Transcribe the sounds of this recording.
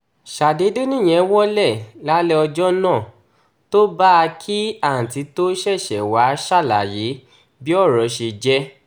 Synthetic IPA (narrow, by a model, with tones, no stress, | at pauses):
ʃa˨de˨˦de˦nĩ˦˨j̃ɛ̃˨˦wɔ˦lɛ˦˨la˦lɛ˦ɔ˧d͡ʒɔ˦nã˦˨ | to˦ba˦a˧kʰi˦a˦˨n̩˨ti˨˧to˦ʃɛ˦˨ʃɛ˨wa˨˦ʃa˦˨la̰˨je˨˦ | bi˦ɔ˦˨ɾɔ˨˦ʃe˧d͡ʒɛ˦